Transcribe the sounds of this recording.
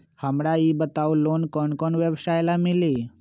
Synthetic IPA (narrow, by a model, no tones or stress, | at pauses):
həmɽaibət̪aulonkɔɳkɔɳʋjəʋsajlamili